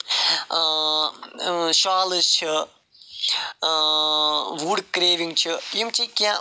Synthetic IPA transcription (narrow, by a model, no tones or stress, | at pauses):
ʃaːləst͡ʃʰi | ʋuɖkɾeːʋiŋɡt͡ʃʰijimt͡ʃikjã